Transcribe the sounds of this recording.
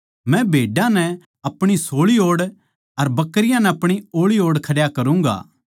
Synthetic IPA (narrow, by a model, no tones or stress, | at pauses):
mɛ̃bʱeːɖãnɛ | ɐpɽ̃isoːɭioːɽ | ɐɾbɐkːəɾɪjãnɛɐpɽ̃ioːɭioːɽkʰɐɽjakɐɾũːŋɡa̰ː